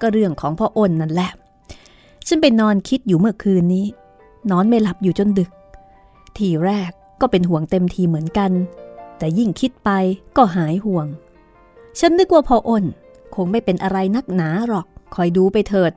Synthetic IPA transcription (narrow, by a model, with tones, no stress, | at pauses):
kɔː˥˩ɾɯ˥˩əŋkʰɔː˩˦ŋpʰɔː˧ʔo˧˩nːa˧˥˩nlɛ˧˩ | t͡ɕʰa˦˥np̬a˧jnɔː˧nkʰi˦˥t̪̚juː˨˩mɯ˥˩ɐkʰɯː˧nːiː˦˥ | nɔː˦˥nma˥˩jla˨˩p̚juː˨˩t͡ɕo˧ndɯ˨˩k̚ | t̪ʰiː˧˩ɾɛː˥˩kːɔː˥˩pe˧nɦu˨˩əŋt̪e˧mt̪ʰiː˧mɯ˩˦ənka˧nt̪ɛː˨˩ji˥˩ŋkʰi˦˥t̪̚pa˧jkɔː˥˩ɦaː˩˦jɦu˨˩əŋ | t͡ɕʰa˦˥nːɯ˦˥k̚waː˥˩pʰɔː˧ʔo˧˩n | kʰo˧ŋma˥˩jpe˧nʔa˧ɾa˧jna˦˥˩k̚naː˩˦ɾɔː˨˩k̚ʰːɔː˨˩jduː˧pa˧jt̪ʰɤː˨˩t̪̚